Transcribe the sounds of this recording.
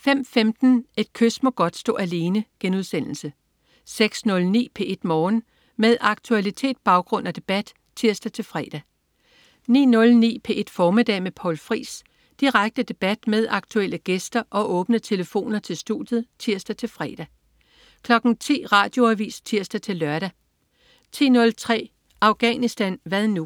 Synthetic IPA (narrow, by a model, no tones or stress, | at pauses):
fem̰femd̥n̩e̝d̥̚kʰøsmɒ̽ɡ̥ɒ̽d̥sd̥ɔ̰̽ːæle̝ːnəɡ̥enuð̞ˠsen̰l̩sə | seɡ̥snɔ̽lnḭːpʰe̝ʔe̝d̥mɒːn | meðˠʔɑ̈ɡ̥̚t͡sʰuælit͡sʰe̝̰ːd̥̚b̥ɑ̈ʊɡ̥ʁɔ̽n̰æd̥e̝b̥æd̥ | t͡sʰiɐ̰sd̥æt͡sʰe̝lfʁɛ̰ːd̥æ | nḭːnɔ̽lnḭːpʰe̝ʔe̝d̥fɒːmid̥ɛ̰ːmepʰɒ̰ʊlfʁḭːs | d̥iʁaɡ̥̚d̥əd̥e̝b̥æd̥með̞ˠɑ̈ɡ̥̚t͡sʰuel̰əɡ̥esd̥ɐʔɒ̽ʔɔ̽ːb̥nət͡sʰe̝ləfo̝̰ːnɐt͡sʰe̝lsd̥ud̥jð̞̩ˠt͡sʰiɐsd̥æt͡sʰe̝lfʁɛːd̥æ | kʰlɒ̽ɡ̥n̩t͡sʰḭːʁɑ̰̈ːd̥jo̝æʋḭːst͡sʰiɐ̰sd̥æt͡sʰe̝lːɶɐɾ̥æ | t͡sʰḭːnɔ̽lt͡sʰʁɛ̰ː | ɑ̈ʊɡ̥ɛnisd̥ænʋæðˠnu